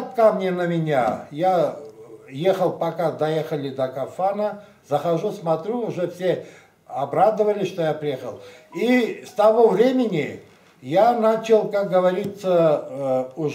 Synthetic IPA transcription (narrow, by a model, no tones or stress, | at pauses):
t̪̚kamnʲenəmʲɪnʲaja | jexəlˠpɐkad̪ɐjexəlʲɪd̪əkɐfanə | zəxɐʐusmɐt̪ɾʲuʊʐɛfsʲe | ɐbɾad̪əvəlʲɪʂt̪ojapɾʲɪjexəlˠist̪ɐvovɾʲemʲɪnʲɪ | janat͡ɕɪlˠkak̚ɡəvɐɾʲit̪sə | ʊ